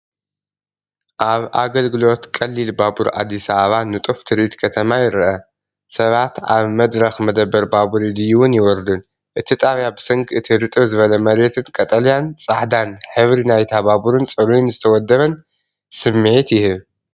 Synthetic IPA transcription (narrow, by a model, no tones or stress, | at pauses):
ʔaβʔaɡɐlɡɨlo̞t̪kʼɐlːilbabuɾʔa̰d̪ːisaaβanɨt̪ʼuft̪ʰɨɾit̪kʰɐt̪ʰɐmajɪɾɐʔɐ | sɐβat̪a̰βmɐd̪ɾɐxmɐd̪ɐbːɐɾbabuɾid̪ɨjuwʊnjɪwɔɾd̪un | ʔɨt̪ʰit̪ʼaβjabɨsɨŋkʰɨt̪ʰiɾɨt̪ʼɨβzɨβɐlɐmɐɾet̪ʰɨnkʼɐt̪ʼɐlijant͡sʼaħd̪anħɨβɾinajt̪ʰaβaβuɾɨnt͡sʼɐɾunzɨt̪ʰɐwɔd̪ːɐβɐn | sɨmːɨʕit̪jɪhɨβ